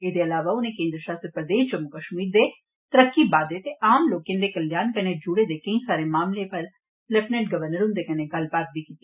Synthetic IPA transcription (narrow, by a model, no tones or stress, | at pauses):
eːd̪eɐlaːʋaʊnẽkẽːnd̪ɾəʃaːst̪ɾəpɾəd̪eːʃd͡ʒəmʊkəʃmiːɾd̪e | t̪əɾəkːibaːd̪et̪eʔaːmloːkːẽnd̪ekɐljaːnkɐned͡ʒʊɽed̪ekɐ̃ĩsaːɾemaːmlepɐɾ | lɛpnɛ̃ʈɡɐʋəɾnəɾʊnd̪ekɐnẽɡɐlbaːt̪̚bʱikit̪i